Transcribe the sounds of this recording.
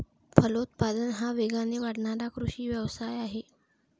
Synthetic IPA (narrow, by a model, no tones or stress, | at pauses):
fʰəlout̪̚pad̪ənɦaʋeɡʱaneʋaɽɳaɾakɾuɕiːʋjəʋsajaɦe